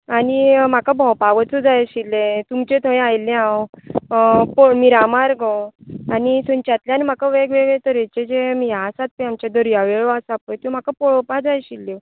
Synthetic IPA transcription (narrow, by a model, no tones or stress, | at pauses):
anim̤akabʱɔ̃wpaʋət͡sud͡zajɕilːẽt̪umt͡ɕẽt̪ʰə̃ẽajlẽãw | pomiɾamaɾɡɔwanisuɲt͡ɕat̪ljanim̤akaʋeɡʋeɡɭet̪əɾet͡ɕed͡ʑemijasat̪̚piamt͡ɕad̪əɾjaʋeɭasapəjt̪jũm̤akapɔɭɔpad͡zajɕilːe